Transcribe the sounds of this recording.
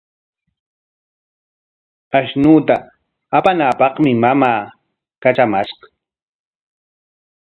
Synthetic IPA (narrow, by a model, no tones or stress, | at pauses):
aʃnuːt̪aː | panaːpɑχmɪmamaː | kat͡ʃamaʃqɑ̥